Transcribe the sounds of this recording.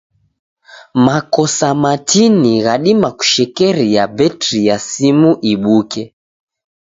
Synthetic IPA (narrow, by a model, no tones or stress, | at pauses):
makɔsamatiniɣaɗimaku̥ʃɛkɛɾijabɛtɾijasimuʔiɓukɛ